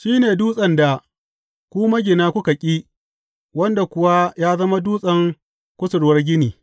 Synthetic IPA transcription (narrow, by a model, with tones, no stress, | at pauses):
ʃiː˦neː˨duː˦sʼɐ˨nda˨ | kʷu˦mɐ˦ɡʲɪ˨naː˦kʷʊ˦ka˨kʲʼiː˦ | wɐ˦nda˨kʷʊ˦wa˦jaː˦zɐ˦ma˦duː˦sʼɐ˦ŋ | kʷʊ˦sʊ˨ɽwɐ˦rɡʲɪ˦niː˨